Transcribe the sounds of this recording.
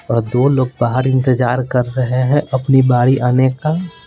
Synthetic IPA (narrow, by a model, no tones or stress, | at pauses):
ɔːɾd̪oːloːɡ̚baːɦəɾɪ̃nt̪ɪd͡ʒaːɾkɐɾːɐɦeɦɛ̃ʔɐpnibaːɽiʔaːneka